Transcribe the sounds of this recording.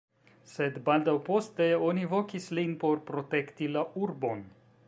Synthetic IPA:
se̞dbaldawpo̞ste̞o̞nivo̞kislinpo̞ɾpɾo̞te̞ktilaʔuɾbo̞n

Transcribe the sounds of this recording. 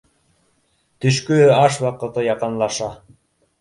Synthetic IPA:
t̪yʃkyɑʃwɑqɤ̆t̪ɤjɑqɤ̆nlˠɑʃɑ

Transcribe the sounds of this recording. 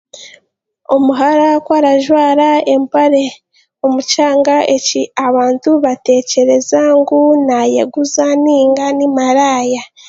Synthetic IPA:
omuɦaɾakwaɾaʒwaːɾae̞mpaɾe̞ | omut͡ʃaːŋɡaʔeciaβaːntuβate̞ːce̞ɾe̞zaŋɡunajḛɡuzaniːŋɡanimaɾaːja

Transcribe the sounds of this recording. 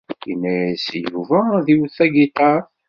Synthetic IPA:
ḭnːæsjuvæðiwθæɡit̪ˤɑɾ

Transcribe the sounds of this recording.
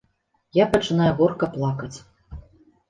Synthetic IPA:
japɐt͡ʂɨn̪ajuɣɔrkɐplˠakɐt͡sʲ

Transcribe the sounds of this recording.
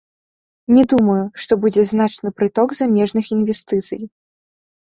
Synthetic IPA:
nʲɛd̪umɐjuʂt̪ɔbud͡zʲɛznat͡ʂnɨpɾɨt̪ɔɡzamʲɛʐnɨxinvʲɛst̪ɨt̪sɨ̰j

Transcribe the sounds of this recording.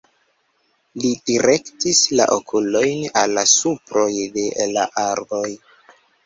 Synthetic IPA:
lid̥iɾe̞ktisla̰ʔokʰulo̞jnalːasupɾo̞jde̞la̰ʔaɾbo̞j

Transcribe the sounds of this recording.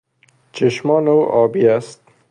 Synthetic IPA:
t͡ʃʰeʃmɒːnowʔɒːbiːæst̪̚

